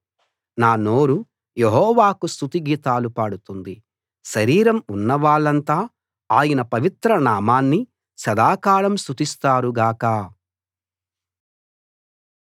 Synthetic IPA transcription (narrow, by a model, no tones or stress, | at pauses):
naːno̞ːɾu | jeɦɔːʋaːkust̪ut̪iɡiːt̪aːlupaːɽut̪und̪i | ʃɐɾiːɾɐmunːɐʋaːɭɐnt̪aː | aːjɐnɐpɐʋit̪ɾɐnaːmaːnːi | sɐd̪aːkaːɭɐmst̪ut̪ist̪aːɾuɡaːkaː